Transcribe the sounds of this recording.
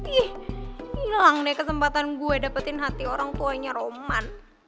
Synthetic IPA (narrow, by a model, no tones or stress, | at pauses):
ihilaŋdɛkəsəmpat̪anɡuɛdapət̪ɪnɦat̪ioɾaŋt̪uaɲaɾoman